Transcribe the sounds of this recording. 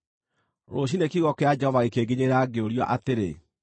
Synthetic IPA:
ɾoɕ̬inekiɣɔkɛad͡ʒɛhɔvaɣekeɡeɲeɾaːɡeoɾjɔʔateɾḛ

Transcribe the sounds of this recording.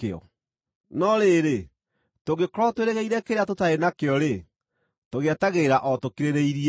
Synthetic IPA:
eɔ̰ | nɔɾeɾe | toɣekɾɔtweɾeɣeiɾɛkeɾeatotaenakeɔɾe | toɣɛtaɣeɾaʔɔtokiɾeɾeiɾi

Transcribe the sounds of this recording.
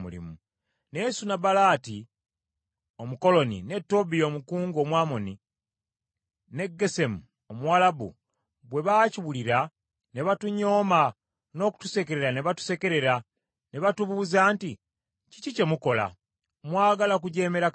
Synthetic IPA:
mṵlḭmu | nesunabalaːti | o̞muko̞lo̞nḭne̞tːo̞bijomukuːŋɡoːmwaːmo̞ni | ne̞ɡːe̞se̞mu | omuwalabṵ | βwe̞βaːciβuliɾa | ne̞βatuɲo̞ːma | no̞ːku̥tu̥se̞ke̞ɾe̞ɾaneβatu̥se̞ke̞ɾe̞ɾa | neβatuβuuzaːnti | cicice̞muko̞la̰ | mwaːɡalak̬uɟe̞ːme̞ɾa

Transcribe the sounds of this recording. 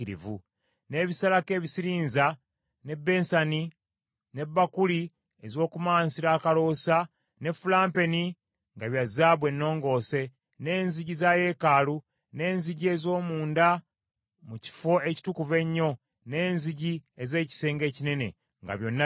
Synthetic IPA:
iɾḭvṵ | ne̞ːβisalake̞ːβisiɾiːnza | ne̞bːe̞ːnsani | ne̞bːakuli | ezo̞ːkumaːnsiɾaːkalo̞ːsa | ne̞fulaːmpe̞ni | ŋɡaβjazaːβwe̞nːo̞ːŋɡo̞ːse̞ | ne̞ːnziɟizaːje̞ːkaːlu | ne̞ːnziɟie̞zo̞ːmuːnda | muci̥fo̞e̞ci̥tukuve̞ɲːo̞ | ne̞ːnziɟieze̞ːci̥se̞ːŋɡe̞ːcine̞ne̞̰ | ŋɡa̰βjo̞nːa

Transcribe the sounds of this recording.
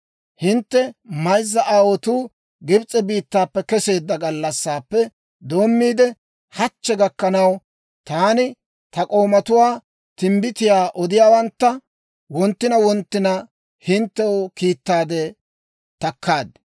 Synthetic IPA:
hɪnt̪ːɛmɐjzːɐʔaːwɔt̪uː | ɡɪbt͡sʼɛbiːt̪ːaːpːɛkɛse̞ːd̪ːɐɡɐlːɐsːaːpːɛ | d̪o̞ːmːiːd̪ɛ | hɐt͡ʃːɛɡɐkːɐnɐw | t̪aːnɪ | t̪ɐkʼo̞ːmɐt̪ʊwaː | t̪ɪmbɪt̪ɪjaːʔɔd̪ɪjaːwɐnt̪ːɐ | wɔnt̪ːɪnɐwɔnt̪ːɪnɐ | hɪnt̪ːɛwokiːt̪ːaːd̪ɛ | t̪ɐkːaːd̪

